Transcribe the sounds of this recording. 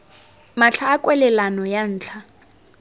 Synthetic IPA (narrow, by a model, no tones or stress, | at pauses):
mat͡ɬʰaːkʼwɛlɛlanɔjan̩ːt͡ɬʰa